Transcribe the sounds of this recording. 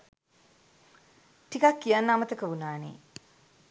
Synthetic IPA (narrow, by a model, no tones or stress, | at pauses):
ʈikakːijanːamət̪əkəunaːnḛː